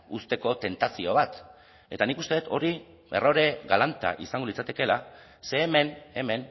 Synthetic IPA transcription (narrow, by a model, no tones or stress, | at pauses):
ust̪e̞ko̞t̪e̞nt̪asio̞β̞at̪ | e̞t̪anikust̪e̞et̪o̞ɾi | e̞̰roɾe̞ɣalant̪a̰ʔisaŋɡo̞lit͡sat̪e̞ke̞la | se̞ːme̞ne̞me̞n